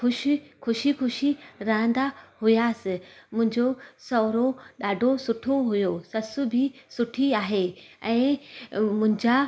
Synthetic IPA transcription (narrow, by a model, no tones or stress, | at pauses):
xʊʃixʊʃixʊʃiɾɐɦə̃nd̪ahʊjaːsɪmʊ̃ɦɪ̃ɲd͡ʑosɔːɾoɗaːɖʱosʊʈʰoɦʊjosɐsʊ̆bʱisʊʈʰiaːɦeɛ̃ː | mʊ̃ɦɪ̃ɲd͡ʑa